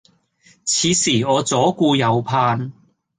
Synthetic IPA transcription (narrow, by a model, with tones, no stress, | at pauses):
t͡sʰiː˨˧siː˨˩ɔː˨˧t͡sɔː˨˥kuː˧jɐ˨˧wpʰaː˧n